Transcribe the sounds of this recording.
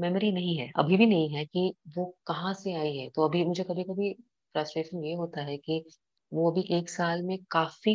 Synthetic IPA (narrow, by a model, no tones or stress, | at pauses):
mɛːməɾinɐɦĩɦɛʔɐ̰bʱibʱinɐɦĩɦɛkiʋokɐɦãseaːiɦɛt̪oɐbʱimʊd͡ʒʱekɐbʱikɐbʱi | fɾaːsʈɾeːʃənjeɦoːt̪aɦɛki | ʋoɐbʱiʔeːksaːlmẽkaːfi